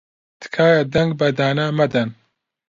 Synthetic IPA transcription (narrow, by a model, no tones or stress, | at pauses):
t̪ɨ̥kʰaːjad̪ɛŋɡbɐd̪aːnamɐd̪ɐn